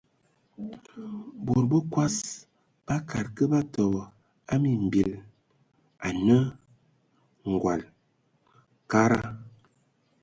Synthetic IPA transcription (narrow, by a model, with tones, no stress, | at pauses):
bo˨ɾbə˦kwa˦s | b̥a˦kʰa˨ɾkə˦ba˦tɔ˨bɔ˨ | a˦mi˨m̩˨bi˨l | a˨nə˦ | ŋ̩˨ɡwa˨l | ka˦ɾa˦